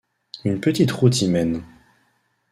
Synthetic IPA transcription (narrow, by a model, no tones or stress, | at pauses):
ynpət̪it̪ʁut̪imɛn